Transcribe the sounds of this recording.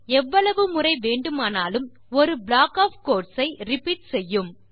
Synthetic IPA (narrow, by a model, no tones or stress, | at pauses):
ɛʋːɐɭɐʋɯmʊrɐɪʋeːɳɖɯmaːnaːlɯm | ɔɾɯbɭaːkaːfkoːʈsɐɪɾɪpiːʈ̚sɛjːɯm